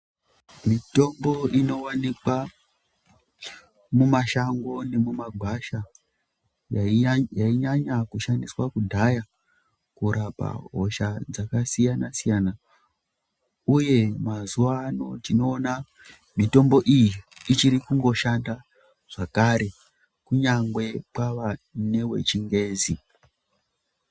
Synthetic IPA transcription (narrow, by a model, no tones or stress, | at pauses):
mito̞mbo̞ʔino̞wanikwa | mumaʃaŋɡo̞ne̞mumaɡʱaʃa | jjaiɲaɲakuʃandiswakudʱaja | kuɾapa̰ɦo̞ʃad͡zakasijanasijana | uje̞mazuʋano̞tino̞ːna | mito̞mbo̞ʔijiːt͡ʃiɾikuŋɡo̞ʃanda | ʐ̥akaɾe̞ | kuɲaŋɡwe̞pwaʋane̞we̞̰t͡ʃiŋɡe̞ːzi